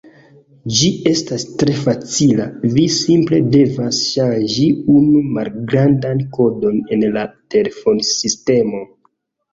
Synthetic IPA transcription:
d͡ʒie̞stastɾe̞fat͡silavisimple̞de̞vasʃanʒiunumalɡɾandanko̞do̞ne̞nlate̞lefo̞nsiste̞mo̞

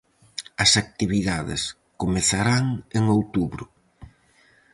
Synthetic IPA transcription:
ɐsak̚t̪iβiðaðɪ̰s | komeθaɾaŋeŋowt̪uβɾʊ

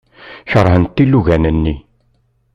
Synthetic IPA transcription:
çəɾˤhənt̪ːilːuʝænənːi

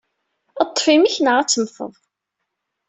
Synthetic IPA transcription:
ɑt̪ˤːfimiçnəʁæt͡sːəmfə̰ðˤ

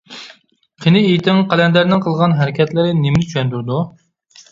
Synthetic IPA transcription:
qʰinɪejt̪ʰɪŋqɛlɛnd̪æɾnɪŋqʰəlˠʁɑnɦæɾɪkʲɛt̪lɪɾɪnɪmnɪt͡ʃʰyʃɛnd̪yɾd̪u

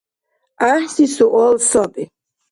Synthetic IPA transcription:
aħsisuʔɔlsɔbi

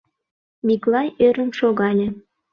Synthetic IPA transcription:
mʲiklˠɑjøɾə̆mʃoɣɑlʲə̆

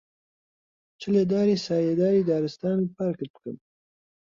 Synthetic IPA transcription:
t͡ʃəled̪ɑɾisɑjed̪ɑɾid̪ɑɾɪst̪ɑnpɑɾkəpkə̰n

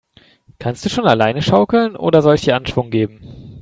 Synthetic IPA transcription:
kʰanstd̥uːʃoːnalaɪnəʃaʊkl̩nʔo̰ːdɐzɔlsd̥iːɐʔanʃv̥ʊŋɡeːbm̩

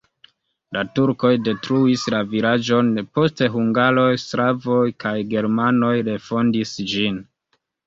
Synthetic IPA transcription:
latuɾko̞jde̞tɾuislavilad͡ʒo̞npo̞ste̞ɦuŋɡaɾo̞jstɾavo̞jkajɡe̞ɾmano̞jɾe̞fo̞ndisd͡ʒin

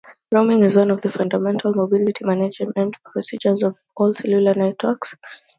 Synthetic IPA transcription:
ɹoʊmɪ̃ŋɪzwãnɔvðəfãndamɛ̃ntʰalˠmobilitʰimanad͡ʒ̃mɛ̃ndfpʰɹɔsid͡ʒəzɔv | ɔlsɛlulanɛtʰwəks

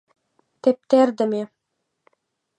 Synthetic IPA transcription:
t̪ep̚t̪eɾd̪ɘ̆me

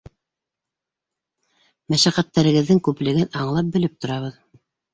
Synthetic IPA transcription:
mæʃæqæt̪ːæɾɘ̆ɣɘ̆ðːɘŋkʉplɘ̆ɡɘnʔɑɴlˠɑp̚bɘ̆lɘp̚t̪ŏɾɑβɤð

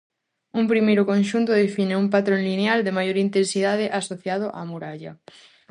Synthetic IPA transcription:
umpɾimejɾʊkõnʃunt̪ʊð̞efineumpat̪ɾonlineald̪emajoɾint̪ensiðað̞ɪʔasoθjað̞ʊʔa̰muɾaʎa

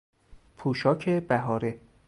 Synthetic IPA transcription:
pʰuːʃɒːcʰebæɦɒːɾe

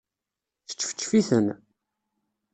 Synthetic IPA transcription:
θə̥t͡ʃːə̥fə̥t͡ʃːfiθən

